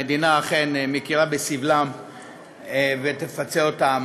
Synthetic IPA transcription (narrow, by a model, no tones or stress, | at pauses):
ed̪inaːχenmekiʁabesivlam | vet̪efat͡seot̪am